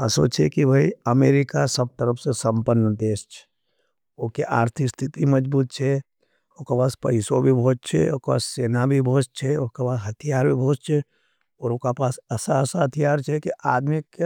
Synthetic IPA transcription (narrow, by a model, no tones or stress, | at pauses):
əso̰t͡ʃʰekibʱaiɐmeːɾɪkasəb̚t̪əɾəpsesə̃mpənːəd̪eːst͡ʃʰɛ̥ | okeʔaːɾt̪ʰɪkst̪ʰɪt̪iməd͡ʒbuːt̪̚t͡ʃʰɛ | oːkapaːspɐ̰ɪsobʱibʱoːtt͡ʃʰḛoːkpa̰ːsseːnabʱibʱoːt͡ʃt͡ʃʰɛoːkapaːsɦɐt̪ʰijaːɾbʱibʱoːt͡ʃt͡ʃʰɛ | ɔːɾokapaːsəsaəsaɦət̪ʰijaːɾt͡ʃʰɛkiʔaːd̪mikːe